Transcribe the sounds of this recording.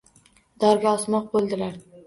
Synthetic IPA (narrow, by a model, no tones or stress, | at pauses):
d̪ɒɾɡʲaɒsmɒq̚bolˠd̪ɪlaɾ